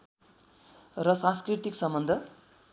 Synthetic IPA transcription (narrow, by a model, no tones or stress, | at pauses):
rʌsãnskrit̪iksʌmbʌnd̪ʱʌ